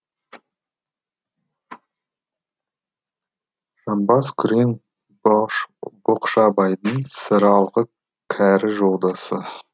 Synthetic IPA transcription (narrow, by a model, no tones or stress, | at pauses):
ʒ̥ɑmbɑskʲʰʏɾeŋ | boqʃɑbɑjd̪əɴsəɾɑlˠʁə | kʲʰæɾɪʒolˠd̪ɑsə